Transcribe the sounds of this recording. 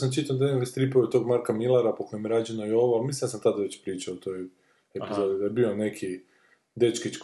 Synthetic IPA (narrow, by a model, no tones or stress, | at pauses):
samt͡ʃit̪ad̪anekkst̪ɾipoʋot̪o̞ːɡmaɾkamilˠaɾapokʰojemjeɾaːd͡ʒenoio̞ʋoamis̬lind̪asamt̪ad̪aʋe̞t͡ɕpɾiːt͡ʃaːt̪o̞j | epizod̪id̪ajebio̞ne̞kʰi | d̪e̞t͡ʃkit͡ʃk